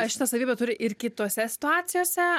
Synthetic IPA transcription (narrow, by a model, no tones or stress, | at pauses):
ɐʃʲɪt̪ɐsɐʋʲiːbʲɛt̪ʊɾʲɪʔɪrkʲɪt̪oːsʲɛsʲɪ̥t̪ʊaːt̪sʲɪjoːsʲɛ